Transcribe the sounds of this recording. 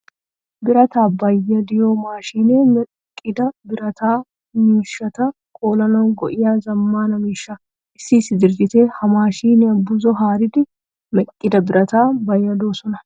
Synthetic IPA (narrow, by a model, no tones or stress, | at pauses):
bɪɾɐt̪aːbɐjːɐd̪ɪjoːmaːʃiːneːmɛkʼːɪd̪ɐbɪɾɐt̪ʰaː | miːʃːɐt̪ɐ | kʼoːlɐnɐɡɔʔɪjaːzɐmːaːnɐmiːʃːa | ʔɪsːiːsːɪd̪ɪɾd͡ʒɪt̪eːhɐmaːʃiːneɐbʊzɔɦaːɾɪd̪ɪ | mɛkʼːɪd̪ɐbɪɾʔɐt̪aːbɐjːɐd̪oːsɔnɐ